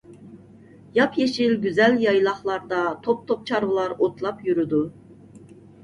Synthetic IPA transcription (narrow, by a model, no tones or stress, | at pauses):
jɑpʰjeʃɪlɡʲyzɛljɑjlˠɑχlˠɑɾd̪ɑt̪ʰop̚t̪ʰop̚t͡ʃʰɑɾvɨlˠɑɾot̪ʰlˠɑpjyɾyd̪u